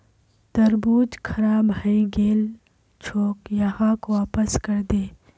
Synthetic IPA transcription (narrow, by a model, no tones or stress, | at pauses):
d̪̥ɐɾbuːd͡ʒkʰɐɾaːbɦəĩɡeːl | t͡ʃʰoːkjɐhãːkoaːpəskɐɾd̪eː